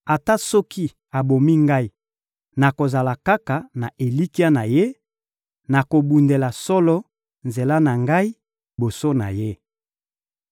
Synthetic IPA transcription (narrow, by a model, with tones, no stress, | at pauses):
a˨ta˦sɔ˦ki˦ | a˨bo˨mi˦ŋɡa˦i˨ | na˨ko˨za˨la˨ka˦ka˨na˨ʔe˨li˦ki˦a˦na˨je˦ | na˨ko˨bu˨nde˨la˨sɔ˦lɔ˦ | nze˨la˦na˨ŋɡa˦i˦ | bo˨so˦na̰˨je˦